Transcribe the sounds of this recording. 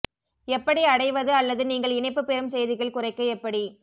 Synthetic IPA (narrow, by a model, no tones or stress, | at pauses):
ɛpːɐɽiɐɽɐɪʋɐðɯɐlːɐðɯniːŋɡɐɭɪnɐɪpːɯpːɛɾɯmsɛjðɪɣɐɭkʊrɐɪkːɐɛpːɐɽi